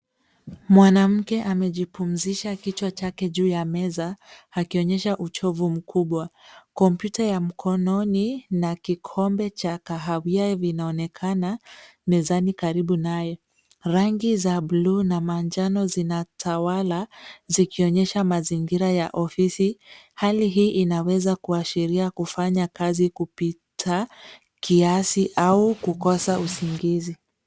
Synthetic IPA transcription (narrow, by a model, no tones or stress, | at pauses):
mwanam̩kɛʔamɛʄipum̩ziʃakit͡ʃwat͡ʃakɛʄuːjamɛzaakiɔɲɛʃaʔut͡ʃɔvum̩kuɓwakɔmpjutajam̩kʰɔnɔninakikʰɔmbɛt͡ʃakaɦawiavinaɔnɛkʰana | mɛzanikaɾiɓunajɔ | ɾaŋɡizabluːnamand͡ʒanɔzinatʰawalazikiɔɲɛʃamaziŋɡiɾajaʔɔfisi | haliɦiːʔinawɛzakuaʃiɾiakufaɲakazikupitʰa | kiasiʔaukukɔsausiŋɡizi